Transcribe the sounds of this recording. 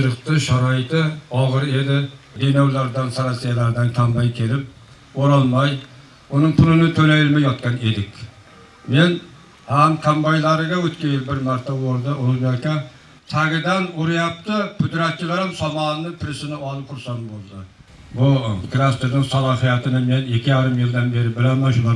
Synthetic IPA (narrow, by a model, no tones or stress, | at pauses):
t͡ʃɨɾɨqt̪ɨʃaɾɒjɪt̪ɪɒʁɨɾe̞d̪ɪ | d̪enɒwlaɾd̪ansaɾasijalaɾd̪ankʲʰambajkʲʰe̞lɪp̚ | oɾɒlˠmaj | ʊnɪŋpʰʊnɪnɪt̪ʰɵlajɪlmajɒt̪kʲane̞d̪ɪkʲ | me̞n | hamkʲʰambajlˠaɾɪɡʲawɵt̪kʲanjɪlbɪɾmaɾt̪ʰawoɾd̪ɪʊzmakʲa | t̪ʰaɡʲɪd̪anʊɾɪjap̚t̪ɪkʰʊd̪ɾat̪̚t͡ʃʰːɪlaɾɪmsɒmɑnnɪpʰɪɾɪsɪnɪɒlˠɨp̚qʰʊɾsɑmbolˠd̪ɪ | bʊkʰɾast̪eɾnɪŋsɑlˠɑɦijat̪ʰɪnɪme̞nekʲʰːɪjaɾɪmjɪlʲd̪anbe̞ɾɪbɪlamanʃʊlˠɑ